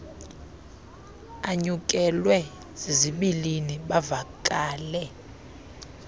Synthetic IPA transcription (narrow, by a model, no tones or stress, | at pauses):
aɲuk̬ʼɛlwɛ | zeziɓiliniɓavakʼaːlɛ